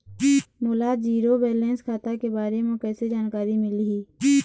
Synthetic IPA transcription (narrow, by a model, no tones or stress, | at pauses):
moːlaːd͡ʒiːɾobeːlẽːnskʰaːt̪akebaːɾemẽkɛːsed͡ʒaːnkaːɾimɪliɦiː